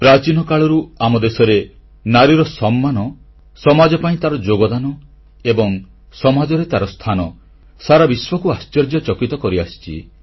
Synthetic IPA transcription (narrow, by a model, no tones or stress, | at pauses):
pɾat͡ʃinɔkaɭɔɾuamɔd̪esɔɾe | naɾiɾɔsɔmːanɔ | sɔmad͡ʒɔpaĩt̪aɾɔd͡ʒoɡɔd̪anɔ | ebɔŋ | sɔmad͡ʒɔɾet̪aɾɔst̪ʰanɔ | saɾabiswɔkuast͡ʃɔɾd͡ʒjɔt͡ʃɔkit̪ɔkɔɾiasi̥t͡ʃʰḭ